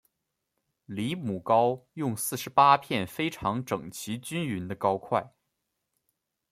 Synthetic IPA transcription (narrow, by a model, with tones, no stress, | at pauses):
li˧˥mu˨˩kɑ˥ʊjʊ˥˧ŋsɹ̩˥˩ʂɻ̩˧˥pa˥pʰjɛ˥˩nfe˥ɪʈ͡ʂʰɑ˧˥ŋʈ͡ʂɤ˨˩ŋt͡ɕʰi˧˥t͡ɕy˥ny˧˥nd̪ə˧kɑ˥ʊkʰwa˥˩ɪ